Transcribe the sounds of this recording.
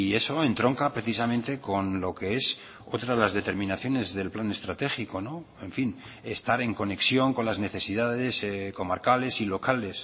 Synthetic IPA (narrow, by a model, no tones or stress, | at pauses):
ie̞so̞e̞nt̪ɾo̞ŋkapɾe̞θis̬amẽnt̪e̞ko̞nlo̞ke̞es | ot̪ɾaðelazðe̞t̪e̞ɾmĩnaθjo̞ne̞zðe̞lplane̞st̪ɾat̪e̞xikono̞ | e̞ɱfin | est̪aɾe̞ŋko̞ne̞ksjo̞ŋko̞nlazne̞θe̞siðaðe̞sko̞maɾkale̞silo̞kale̞s